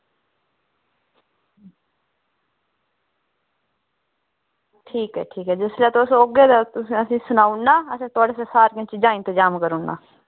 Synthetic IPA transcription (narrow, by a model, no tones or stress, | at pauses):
ʈʰiːkɦɛ̰ːʈʰiːkɛːd͡ʒɪsleːt̪ʊsoɡeːd̪aːt̪ʊsĩəsĩːsʊnaːʊnːaːəsĩːt̪ʊaːɖeːsesaːɾkɪ̃t͡ʃd͡ʒaːɪ̃nt̪əd͡ʒaːmkəɾʊnːa̰ː